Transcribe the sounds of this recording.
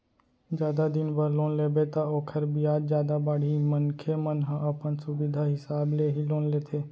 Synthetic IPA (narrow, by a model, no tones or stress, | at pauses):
d͡ʒjaːd̪ad̪ɪnbəɾloːnleːbet̪aoːkʰəɾbijaːd͡ʒd͡ʒjaːd̪abaːɽ̤iːmənkʰemənɦə̃ʔəpənsʊbɪd̪ʱaɦɪsaːbleɦiloːnleːt̪ʰeː